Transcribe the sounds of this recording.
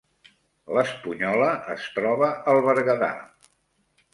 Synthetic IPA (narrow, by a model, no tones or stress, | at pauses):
ləspuɲɔləʔːst̪ɾɔβəʔəlˠβəɾɣəða̰